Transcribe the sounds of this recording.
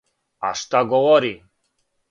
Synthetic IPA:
a̰ʃt̪aɡɔwɔɾi

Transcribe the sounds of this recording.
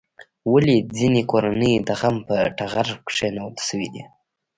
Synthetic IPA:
walid͡zinekoɾanəjd̪aɣampəʈaɣaɾkʂenawd̪səwid̪i

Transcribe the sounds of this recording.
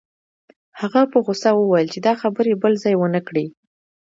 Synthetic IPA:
haɣapəɣosawəwajəlt͡ʃed̪ɑxabəɾebəlzɑjwənəkɽi

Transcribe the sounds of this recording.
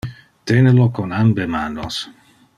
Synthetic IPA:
t̪enəlokɔnambemaːnos

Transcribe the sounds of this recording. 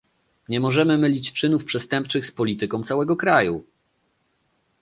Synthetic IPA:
ɲɛmɔʐɛmɘmɘlʲit͡ɕt͡ʂɘnufpʂɛst̪ɛmp̚t͡ʂɘxspɔlʲit̪ɘkɔ̃w̃t̪sawɛɡɔkɾaju

